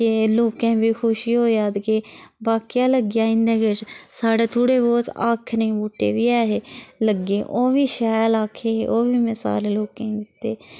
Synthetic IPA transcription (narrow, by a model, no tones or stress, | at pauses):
keloːkẽːbiːkʰʊʃiːɦoːjaːd̪kebaːkijaːləɡɪjaːɪ̃nd̪ẽːɡet͡ʃsaːɽeːt̪ʰoːɽeːboːt̪a̰ːkʰnẽːbuːʈḛːbiːaːɦeːləɡeːʔoːʋiːʃaːjlaːkʰeːʔoːʋiːmesa̰ːɾeːloːkẽːd̪ɪt̪ːḛː